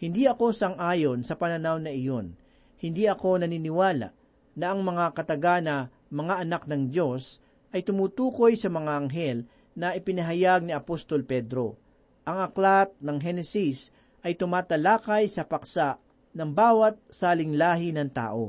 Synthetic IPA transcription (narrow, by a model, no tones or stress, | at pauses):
hɪnd̪iʔɐko̞sɐŋʔaːjonsɐpɐnɐnawnɐɪjo̞n | hɪnd̪iɐko̞nɐniːnɪwaːla̰ʔ | nɐʔɐŋmɐŋakɐt̪ɐɡanɐ | mɐŋaʔɐnak̚nɐŋd̪jo̞s | ʔɐjt̪ʊmuːt̪uːko̞jsɐmɐŋaʔɐŋɦɛl | nɐʔɪpɪnɐɦɐjaɡ̚niɐpost̪olpɛd̪ɾo̞ | ʔɐŋɐklat̪̚nɐŋɦɛnɛsis | ʔɐjt̪ʊmaːt̪ɐlaːkɐjsɐpɐksa | nɐŋbaːwɐt̪̚saːlɪŋlaːɦɪnɐŋt̪a̰ːʔo̞